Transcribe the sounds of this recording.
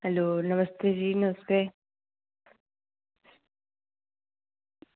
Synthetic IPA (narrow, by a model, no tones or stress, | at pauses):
hɐloːnɐmɐst̪ʰed͡ʒiːnɐste